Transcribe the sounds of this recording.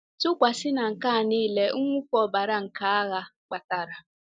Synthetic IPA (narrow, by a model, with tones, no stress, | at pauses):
tʊ˦kʷa˨sɪ˦na˨ŋ̩˨ka˦˨niː˦le˦ʊ˦ŋʷʊ˦kɔ˦˨ba˨ɾa˦ŋ̩˨ka˨a˦ɣa˦k͡pa˨ta˨ɾa˨